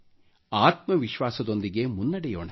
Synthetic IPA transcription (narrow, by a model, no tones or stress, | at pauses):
aːt̪̚mɐʋiʃʋaːsɐd̪o̞nd̪iɡe̞munːɐɽɛjoːɳɐ